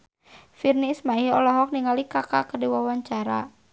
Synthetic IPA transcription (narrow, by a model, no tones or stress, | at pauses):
firnismaihɔ̰lɔɦɔk̚niŋalikaka̰kədiwawaɲt͡ʃaɾa̰